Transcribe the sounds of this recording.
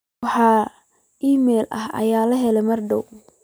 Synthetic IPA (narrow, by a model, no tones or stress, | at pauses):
ħɑ | ʔiːmɛːlɐ̰hɐ̰jaːlɐɦɛlɛmɐrdɔw